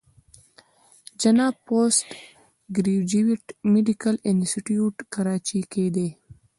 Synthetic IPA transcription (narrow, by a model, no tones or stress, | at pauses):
d͡ʒanɑːbposʈ | ɡɾiwd͡ʒiwiʈmeɖikalɪnsiʈjuʈkaɾɑt͡ʃiked̪e